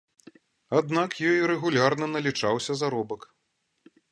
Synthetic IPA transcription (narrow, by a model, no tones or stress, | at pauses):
ad̪nakjɔjɾɛɣulʲarnɐnɐlʲit͡ʂawsʲɐzaɾɔbɐk